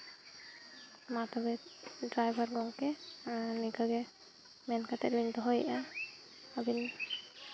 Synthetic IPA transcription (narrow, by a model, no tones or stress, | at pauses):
mat̪ɔbɛɖɾajbʱaɾɡɔŋkenikaɡɛ | mɛnkat̪ɛliŋt̪ɔɦojʔa | abin